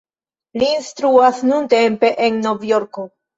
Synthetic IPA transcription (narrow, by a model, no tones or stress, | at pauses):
liːnstɾuasnunte̞mpe̞ʔenːo̞vjo̞ɾko̞